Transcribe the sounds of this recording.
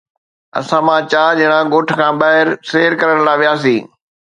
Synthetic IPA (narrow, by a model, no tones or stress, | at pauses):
ɐ̰sãmãt͡ɕaːd͡ʑɐɪɽ̃ãɡoːʈ̆ʰkʰãːbaːɦɪɾseːɾkɐɾəɽ̃laːʋijaːs̬ĩː